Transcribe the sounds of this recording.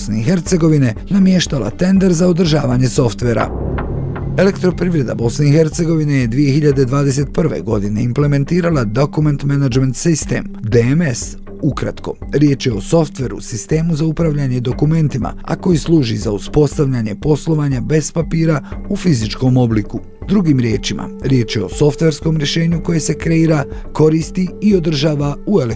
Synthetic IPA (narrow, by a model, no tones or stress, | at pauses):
sneixe̞ɾt̪se̞ɡo̞ʋine̞namje̞ʃt̪ala̰t̪e̞nd̪e̞ɾzao̞d̪r̩ʒaːʋaɲe̞so̞ft̪ʋe̞ɾa̰ | e̞le̞kt̪ɾo̞pɾiʋɾe̞d̪a̰bo̞sne̞ixe̞ɾt̪se̞ɡo̞ʋine̞jed̪ʋije̞xiʎad̪e̞d̪ʋaːd̪ese̞t̪̚pr̩ʋe̞̰ɡo̞d̪ine̞imple̞me̞nt̪iːɾalad̪okument̪menad͡ʒment̪sist̪ḛmd̪eemes | ukɾa̰t̪ko̞̰ | ɾʲje̞t͡ʃje̞o̞so̞ft̪ʋe̞ɾṵsist̪e̞ːmuzaupɾaʋʎaɲe̞d̪o̞kume̞nt̪ima̰a̰ko̞jislˠuːʒizauspo̞st̪aʋʎaɲe̞po̞slˠo̞ʋaɲabe̞z̥papiːɾaufizit͡ʃko̞mo̞bliku | d̪ɾuɡimɾje̞ːt͡ʃima̰ɾje̞ːt͡ʃjeo̞̰so̞ft̪ʋe̞ɾsko̞mɾʲje̞ʃe̞ːɲuko̞je̞se̞kɾe̞iːɾa | ko̞ɾiːst̪iio̞d̪r̩ʒaːʋauele